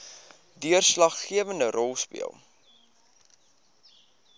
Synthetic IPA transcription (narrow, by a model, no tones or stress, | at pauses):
dyərslɐχːiəvəndərʔɔlˠspḭə̰lˠ